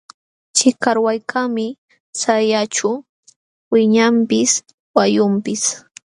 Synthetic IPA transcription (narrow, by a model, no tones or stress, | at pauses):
t͡ʃɪkaɾwajkʰamɪ | sajat͡ʃʊ | wɪɲampɪs | wajʊmpɪs